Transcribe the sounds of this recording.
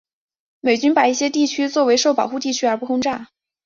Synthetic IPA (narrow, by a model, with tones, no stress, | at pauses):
me˨˩ɪt͡ɕy˥npa˨˩i˥˩ɕjɛ˥t̪i˥˩t͡ɕʰy˥t͡swɔ˥˩we˧˥ɪʂo˥˩ʊpɑ˨˩ʊxu˥˧t̪i˥˩t͡ɕʰy˥ə˞˧˥pu˥˧xʰʊ˥ŋʈ͡ʂa˥˩